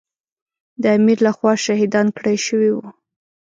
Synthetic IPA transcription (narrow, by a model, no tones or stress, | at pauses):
d̪əamiɾlaxwɑʃɑhid̪ɑnkɽajʃəwiwu